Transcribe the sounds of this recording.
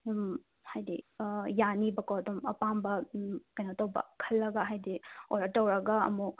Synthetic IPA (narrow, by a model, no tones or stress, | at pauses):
hajdijanibɐkoɐdɔmɐpambɐkɐjnatowbɐ̰kʰɐlːɐɡɐɦajdioɾɐtːɐwɾɐɡɐɐ̰muk̚